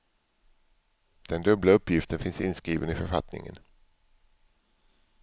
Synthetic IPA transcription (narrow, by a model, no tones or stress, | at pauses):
d̪̥ɛnd̪ɵblaɵpːjɪft̪ənfɪnsɪnskɾiːvənɪfœɾfa̰t̪nɪ̰ŋə̰n